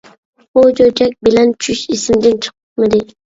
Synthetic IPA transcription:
bod͡ʒojd͡ʒak̚ʲbɪlant͡ʃʰʊʃɪsɪmd̪ɪnt͡ʃʰɨ̥qʰɨpmɪd̪ɪ

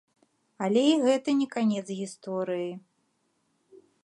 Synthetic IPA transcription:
ɐlʲɛiɣɛt̪ɐnʲɛkanʲɛt̪zɣʲist̪ɔɾɨji

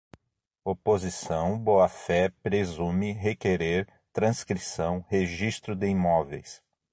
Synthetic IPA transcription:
opozisɐ̃w̃boafɛpɾezũmɪɦekeɾeɾ | t̪ɾɐ̃skɾisɐ̃w̃heʒist̪ɾʊd̪ɪimɔvḛjs

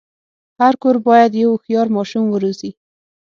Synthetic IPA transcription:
haɾkoɾbɑjad̪jawxjɑɾmɑʃumwəɾozi

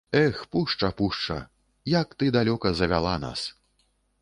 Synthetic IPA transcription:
ɛxpuʂt͡ʂɐpuʂt͡ʂɐ̰ | jakt̪ɨd̪alʲɔkɐzɐvʲa̰lˠa̰na̰s

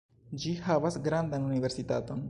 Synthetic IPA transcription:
d͡ʒihavasɡɾandanunive̞ɾsita̰to̞n

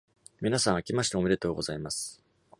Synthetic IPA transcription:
mʲinasãɰ̃akʲimaɕ̬i̥t̪eomiɾe̞t̪o̞ːɡo̞zaimasɨ̥

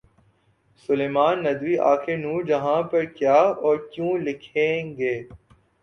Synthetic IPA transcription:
sʊleːmaːnːɐd̪ʋiʔa̰ːkʰenuːɾd͡ʒɐɦãpɐɾkjaːɔːɾkjõːlɪkʰẽːɡeː

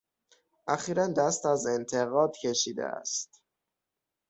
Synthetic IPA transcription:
ʔæxiːɾænd̪æst̪æze̞nt̪ʰe̞ɣɒːd̪̥cʰe̞ʃiːd̪ḛæ̰st̪

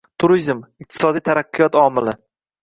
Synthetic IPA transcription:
t̪ʰʊɾizmɪq̚t̪ʰɪ̥sɒd̪ijt̪ʰaɾaqːɨjɒt̪ɒmɪlɪ

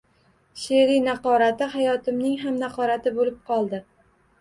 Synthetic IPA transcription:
ʃeɾinaqɒɾat̪ɪhajɒt̪ʰɪmnɪŋɦamnaqɒɾat̪ʰɪbolɪp̚qʰɒlˠd̪ɪ

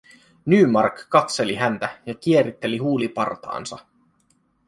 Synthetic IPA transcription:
nyːmɑrkːɑk̪se̞liɦænt̪æjɑk̟ie̞ɾit̪ːe̞liɦuːlipɑ̰rt̪ɑ̰ːnsɑ̰

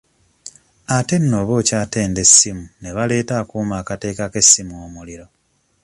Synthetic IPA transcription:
ate̞nːo̞ːβo̞ːcaːte̞ːnde̞sːimune̞βale̞ːtaːkuːmaːkate̞ːkake̞sːimuomuliɾo̞

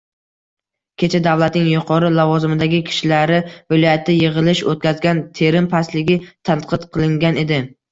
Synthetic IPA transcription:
kʲʰe̞t͡ʃʰad̪avlˠat̪nɪŋjʊqʰɒɾɪlɒvɒzɪmɪd̪aɡʲɪkʲʰɪ̥ʃɪlaɾɪvɪlˠɒjat̪ʰːɪjeʁɨlɪʃot̪̚kʲazɡʲant̪ʰe̞ɾɪmpʰaslɪɡʲɪt̪ʰanqʰɨt̪qʰɨlˠɪŋɡʲane̞d̪ɪ

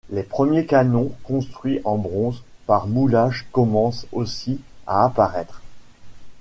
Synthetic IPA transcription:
lepχəmjekanɔ̃kɔ̃st̪χɥiʔɑ̃bʁɔ̃zpaʁmulaʒkɔmɑ̃sosia̰ːpaʁɛt̪χ

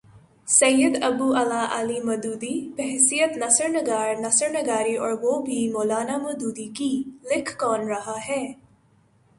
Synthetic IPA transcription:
sɐjəd̪ɐbuːʔɐlaːʔalimɐd̪uːd̪ipɛɦsijət̪nɐsəɾnəɡaːɾnɐsəɾnəɡaːɾiʔɔːɾʋoːbʱimoːlaːnaːmɐd̪uːd̪ikilɪkʰːɔːnɾɐɦaɦɛː

